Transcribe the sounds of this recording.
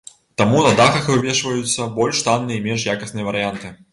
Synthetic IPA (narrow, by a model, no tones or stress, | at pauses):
t̪amunɐd̪axɐxvɨvʲɛʂvɐjut̪sːɐbɔlʲʂt̪anːɨjɐimʲɛnʂjakɐsnɨjɐvɐɾɨjant̪ɨ